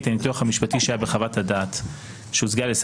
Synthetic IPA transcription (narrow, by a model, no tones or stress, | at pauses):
t̪enit̪luaχamiʃpatiʃeajabeχavatadaːt | ʃeuzɡales